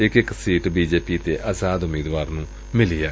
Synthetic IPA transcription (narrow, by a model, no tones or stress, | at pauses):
ɪkɪksiːʈbiːd͡ʒeːpiːt̪eːʔaːzaːd̪ʊmiːd̪ʋaːɾnũː | mɪlɪjaː